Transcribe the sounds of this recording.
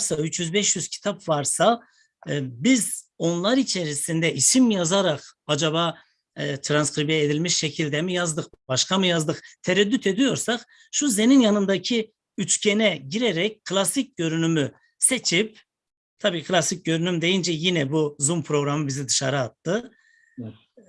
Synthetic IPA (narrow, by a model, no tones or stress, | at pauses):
ɾsayt͡ʃjyzbɛʃjyz̥cʰi̥t̪ʰapvaɾsa | bizo̞nlˠaɾit͡ʃʰeɾisind̪ɛʔisimjazaɾaqad͡ʒaβaː | t̪ʰɾanskɾibjɛed̪ilʲmiʃʃecʰilʲd̪ɛmijazd̪ɯχb̥aʃkʰamɯjazd̪ɯχt̪ʰɛɾɛd̪ːyt̪ʰe̞d̪ijo̞ɾsaχ | ʃuze̞ninjanɯnd̪acʰi | yt͡ʃcʰenɛɟiɾɛɾɛc̚kʰːɯlˠasic̚ɟø̞ɾynymy | set͡ʃʰip̚ | t̪ʰabiːkʰlʲˠasic̚ɟø̞ɾynymd̪e̞jind͡ʒɛjinɛbuzumpʰɾo̞ɡɾamɯbizid̪ɯʃaɾɯːt̪ːɯ